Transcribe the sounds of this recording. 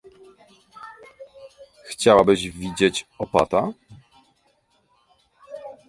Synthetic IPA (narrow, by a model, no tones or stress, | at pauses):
xt͡ɕawabɘʑvʲid͡ʑet͡ɕɔpat̪a